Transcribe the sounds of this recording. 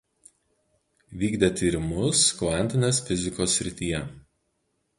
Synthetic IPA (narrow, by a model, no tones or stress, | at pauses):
ʋʲiːɡd̪ʲet̪ʲiːɾʲɪmʊskʋɑˑnʲt̪ʲɪnʲeːsfʲɪzʲɪkoːsʲːɾʲɪt̪ʲiːjɛ